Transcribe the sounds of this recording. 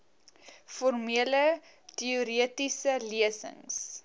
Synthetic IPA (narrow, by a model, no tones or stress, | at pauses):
fɔrmiələ | tiuɾiətisəliəsə̰ŋs